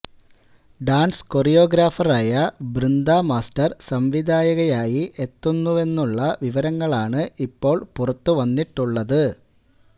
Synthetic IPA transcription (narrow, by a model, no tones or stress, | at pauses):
ɖaːnsko̞rijo̞ːɡɾaːfɐraːjɐbɾind̪aːmaːstɐrsɐmʋid̪ʱaːjɐɣɐjaːjiʔe̞t̪ːunːue̞nːuɭːɐʋiʋɐɾɐŋːɐɭaːɳɨipːo̞ːɭpurɐt̪ːuʋɐnːiʈːuɭːɐðɨ